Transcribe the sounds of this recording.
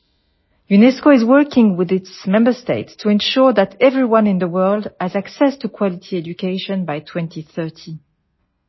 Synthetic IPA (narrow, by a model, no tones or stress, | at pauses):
junɛskoɪzwɜ˞kɪ̃ŋwɪðɪtsmɛ̃mbə˞steɪtstʰuɛ̃nʃuɹðætʰɛvɹiwʌ̃nɪ̃nðəwɜ˞lˠdæzaksɛstʰukʰw̥ɑlitʰiɛd͡ʒukʰeɪʃɔ̃nbajtʰw̥ɛ̃ntʰiθɜ˞tʰi